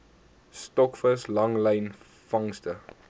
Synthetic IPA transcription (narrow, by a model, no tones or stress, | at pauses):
stɔkfəslɐŋləjn | fɐŋstə